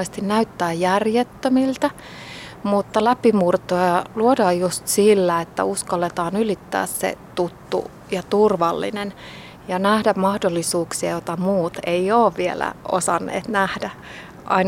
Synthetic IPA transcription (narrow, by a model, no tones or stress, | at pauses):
est̪innæyt̪ːæːjjærjet̪ːømilt̪ɑ | mut̪ːɑlæpimurt̪ojɑluodɑːjjust̪silːæet̪ːæ̰uskɑlːet̪ɑːnylit̪ːæ̰ːssḛt̪ut̪ːṵ | jɑt̪urʋɑlːḭnen | jɑnæhdæmɑhdolːisuːksiɑjot̪ɑmuːt̪eioːʋʋielæ̰o̰sɑnːḛːt̪næhdæ | ʔɑ̰in